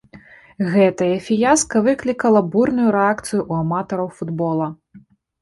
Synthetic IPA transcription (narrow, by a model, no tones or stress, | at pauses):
ɣɛt̪ɐjɐfʲijaskɐvɨklʲikɐlˠɐburnujuɾɛakt̪sɨjuʔuɐmat̪ɔɾɐwfud̪bɔlˠɐ